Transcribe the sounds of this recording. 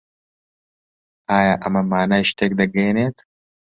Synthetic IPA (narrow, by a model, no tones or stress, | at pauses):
ʔaːjaːʔɐmɐmaːnaːjʃt̪ʰeːk̚d̪ɐɡɐjneːt̪ʰ